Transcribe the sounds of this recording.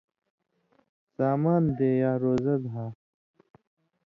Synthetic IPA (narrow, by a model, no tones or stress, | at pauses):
saːmaːnd̪eːjaːɾoːzɐd̪ɦaː